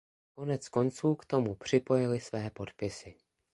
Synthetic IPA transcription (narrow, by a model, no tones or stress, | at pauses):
ko̞nɛt͡sko̞nt͡suːkt̪o̞mupr̝̥ɪpo̞jɪlɪsvɛːpo̞t̪pɪsɪ